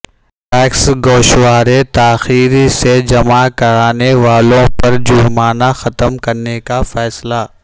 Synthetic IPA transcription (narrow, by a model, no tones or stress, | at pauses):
ʈɛːksɡoːʃwaːɾet̪aːxiːɾised͡ʒɐmakɐɾaːneʋaːlõpɐɾd͡ʒʊɾmaːnaxɐt̪əmkɐɾnekafɛːsla